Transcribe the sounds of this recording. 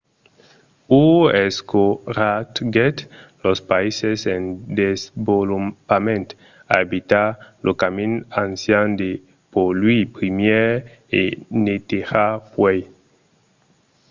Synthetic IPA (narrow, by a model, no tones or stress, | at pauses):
ueskoɾat̪ɡet̪lospaisesend̪ezbolupamẽnt̪ | aebit̪aɾlokaminansjand̪e | polwipɾimjeɾḛnet̪eɾapwej